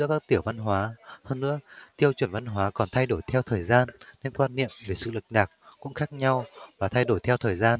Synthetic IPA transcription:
ɨ̰˧˥əkaː˦˥k̚t̪i˧˩əwva˧nɦwaː˨˦həː˧nːɨ̰˧˥ət̪i˧əwt͡ɕwə˧˩nva˧nɦwaː˨˦kɔ˨˩nt̪ʰa˧jɗo˧˩jt̪ʰɛ˧wt̪ʰəː˨˩jzaː˧nne˧nkwaː˧nːḭ˧˨əmve˨˩sɨ̰˧˨lɨ˨˩k̚ɗaː˨˩k̚kʊ̰˧˥ŋ͡mxaː˦˥k̚ɲa˧wvaː˨˩t̪ʰa˧jɗo˧˩jt̪ʰɛ˧wt̪ʰəː˨˩jzaː˧n

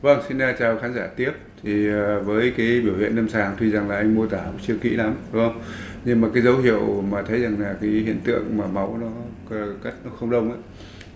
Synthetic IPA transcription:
və˧ŋsi˧na˧t͡ɕaː˨˩wxaː˨˦nzaː˧˩t̪i˦˥əp̚t̪ʰi˨˩əː˨˩vəː˨˦jkaː˨˦jɓi˧˩whḭ˧˨ənə˧msaː˨˩ŋt̪ʰwi˧˩za˨˩ŋlaː˨˩ʔa˧ŋ̟mu˧ət̪aː˧˩˨t͡ɕɨ˧əkḭ˧˥la˨˦mɗu˨˦ə˧wŋ͡m | ɲɨ˧ŋmaː˨˩kaː˨˦jzə˨˦wɦḭ˧˨əwmaː˨˩t̪ʰə˨˦jza˨˩ŋlaː˨˩kaː˨˦jhḭ˧˨ənt̪ɨ̰˧˨əŋmaː˨˩ma˨˦wnɔ˨˦˨ | ka˦˥t̚nɔ˨˦xə˧wŋ͡mɗə˧wŋ͡mʔaː˨˦j

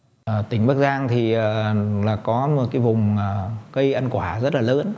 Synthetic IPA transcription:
t̪ï˧˩ŋɓaː˦˥k̚zaː˧ŋt̪ʰi˨˩ʔəː˨˩laː˨˩kɔ˨˦˨kaː˨˦jvʊ˨˩ŋ͡məː˨˩kə˧jʔa˧nkwaː˧˩zə˦˥t̚laː˨˩ləː˨˦n

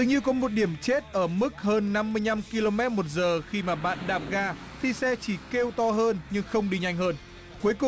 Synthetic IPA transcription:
t̪ɨ˨˩ɲɨ˧wkɔ˨˦mo˨˩t̚ɗi˧˩əmt͡ɕe˦˥t̚ʔəː˧˩mɨ˦˥k̚həː˧nːa˧mːɨ˧əjɲa˧mki˧lo˧mɛ˦˥t̚mo˨˩t̚zəː˨˩xi˧maː˨˩ɓa̰ː˧˨nɗaː˨˩p̚ɣaː˧ | t̪ʰi˨˩sɛ˧t͡ɕi˧˩ke˧wt̪ɔ˧ɦəː˧nɲɨ˧ŋxə˧wŋ͡mɗi˧ɲa˧jŋ̟həː˧n | ku˨˦əjkʊ˨˩

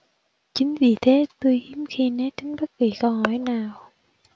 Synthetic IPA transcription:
t͡ɕï˨˦ŋ̟vi˨˩t̪ʰe˨˦t̪u˧jʔi˨˦əmxi˧ne˨˦˥t͡ɕi˨˦ŋɓə˦˥t̚ki˨˩kə˧wɦɔ˧˩jnaː˨˩w

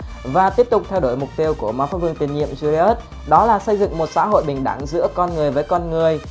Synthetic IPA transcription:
vaː˨˩t̪i˦˥əp̚t̪ʊ˨˩k͡p̚t̪ʰɛ˧wɗo˧˩jmʊ˨˩k͡p̚t̪i˧əwku˧˩əmaː˧faː˦˥vɨ˧əŋt̪i˨˩ŋɲḭ˧˨əmzu˧li˧ə˦˥t̚ | ɗɔ˨˦laː˨˩sə˧jzɨ̰˧˨ŋmo˨˩t̚sa̰ː˧˥ɦo̰˧˨jɓï˨˩ŋ̟ɗa̰˧˩ŋzɨ̰˧˥əkɔ˧nŋɨ˨˩əjvəː˨˦jkɔ˧nŋɨ˨˩əj

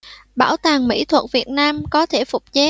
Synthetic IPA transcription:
ɓa̰ː˧˩wt̪aː˨˩ŋmḭ˧˥t̪ʰwə˨˩t̚vi˨˩ət̚naː˧mkɔ˨˦t̪ʰe˧˩fʊ˨˩k͡p̚t͡ɕe˨˦

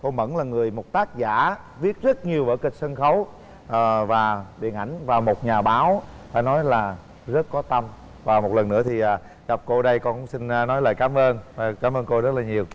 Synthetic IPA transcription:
ko˧mə̰˧˥˩nlaː˨˩ŋɨ˨˩əjmo˨˩t̚t̪aː˦˥k̚za̰ː˧˨ | vi˦˥ət̚zə˦˥t̚ɲi˨˩əwɓəː˧˩kï˨˩k̟̚sə˧nxə˨˦w | ʔəː˨˩vaː˨˩ɓḭ˨˧˨ənʔa˧˩jŋ̟vaː˨˩wmo˨˩t̚ɲaː˨˩ɓaː˨˦wfa̰ː˧˩˦nɔ˨˦jlaː˨˩ | zə˦˥t̚kɔ˨˦t̪ə˧m | vaː˨˩mo˨˩t̚lə˨˩nːɨ̰˧˥ət̪ʰi˨˩ʔaː˨˩ | ɣa˨˩p̚ko˧ɗə˧jkɔ˧˩sï˧n̟ː˧nɔ˨˦jləː˨˩jkaː˨˦mʔəː˧naː˨˩kaː˨˦mʔəː˧nko˧zə˦˥t̚laː˨˩ɲi˨˩əw

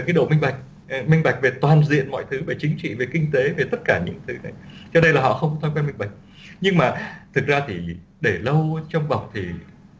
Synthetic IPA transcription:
kaː˨˦jɗo̰˧˨mi˧ŋ̟ɓa˨˩jk̟̚ | mï˧ŋ̟ɓa˨˩jk̚ve˨˩t̪waː˨˩nzḭ˧˨ənmɔ̰˧˨jt̪ʰɨ˨˦ɓe˧˩t͡ɕŋ̟t͡ɕḭ˧˨ve˨˩kï˧ŋ̟t̪e˨˦ve˨˩t̪ə˦˥t̚kaː˧˩ɲɨ̰˧˥ŋt̪ʰɨ˨˦na˨˩jt͡ɕɔ˧ɗə˧jlaː˨˩ɦɔ̰˧˨xə˧wŋ͡mkɔ˨˦t̪ʰɔ˧jkwa˧mï˧ŋɓa˨˩k̚ | ɲɨ˧ŋmaː˨˩t̪ʰɨ˨˩k̚zaː˧t̪ʰi˨˩ | ɗe˧˩lə˧wt͡ɕɔ˧wŋ͡mva˨˩wk͡p̚t̪ʰi˨˩

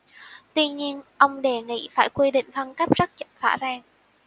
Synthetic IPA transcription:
t̪wi˧ɲi˧ənʔə˧wŋ͡mɗe˧˩ŋḭ˧˥faː˧˩jkwi˧ɗḭ˧˨ŋ̟fə˧nkə˦˥p̚z̥ə˦˥t̚t͡ɕə˧˨˩va̰ː˧˥zaː˧ŋ

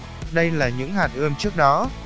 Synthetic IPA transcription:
ɗə˧jlaː˨˩ɲɨ̰˧˥ŋhaː˨˩nʔɨ˧əmt͡ɕɨ˦˥ək̚ɗɔ˨˦

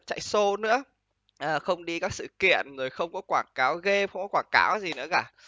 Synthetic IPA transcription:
t͡ɕa̰˧˨jso˧nɨ̰˧˥ə | ʔəː˨˩xə˧wŋ͡mɗi˧kaː˦˥k̚sɨ̰˧˨kḭ˧˨ənzoː˨˩jxə˧wŋ͡mkɔ˨˦kwaː˧˩ŋkaː˨˦wɣe˧xə˧wŋ͡mkɔ˨˦kwaː˧˩ka̰ː˨˦wzi˨˩nɨ̰˧˥əkaː˧˩

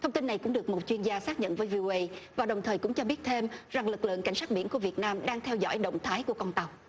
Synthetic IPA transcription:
t̪ʰə˧wŋ͡mt̪i˧nːa˨˩jkʊ̰˧˥ŋ͡mɗɨ˨˩ək̚mo˨˩t̚t͡ɕwi˧ənzaː˧saː˦˥k̚ɲə̰˧˨nvəː˨˦jvi˧ʔo˧ʔə˧jvaː˨˩ɗə˨˩wŋ͡mt̪ʰəː˨˩jkʊ̰˧˥ŋ͡mt͡ɕɔ˧ɓi˦˥ət̚t̪ʰe˧mza˨˩ŋlɨ˨˩k̚lɨ̰˧˨əŋka˧˩jŋ̟saː˦˥ɓi˧˩ənku˧˩əvi˨˩ət̚naː˧mɗaː˧ŋt̪ʰɛ˧wzɔ̰˧˥˨jɗə̰˧˨wŋ͡mt̪ʰaː˨˦jku˧˩əkɔ˧nt̪a˨˩w

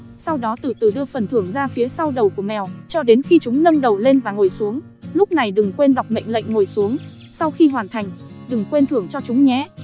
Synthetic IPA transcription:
sa˧wɗɔ˨˦t̪ɨ˧˩t̪ɨ˧˩ɗɨ˧əfə˨˩nt̪ʰɨ˧˩əŋzaː˧fi˨˦sa˧wɗə˨˩wku˧˩əmɛ˨˩wt͡ɕɔ˧ɗe˨˦nxi˧t͡ɕʊ˨˦ŋ͡mnə˧ŋɗə˨˩wle˧nvaː˨˩ŋo˨˩jsu˨˦əŋ | lʊ˦˥k͡p̚na˨˩jɗɨ˨˩ŋkwe˧nɗa˨˩wk͡p̚mə̰˧˨jŋ̟lə̰˧˨jŋ̟ŋo˨˩jsu˨˦əŋ | sa˧wxi˧ɦwaː˨˩nt̪ʰa˨˩jŋ̟ɗɨ˨˩ŋkwe˧nt̪ʰɨ˧˩əŋt͡ɕɔ˧t͡ɕʊ˨˦ŋ͡mɲɛ˨˦

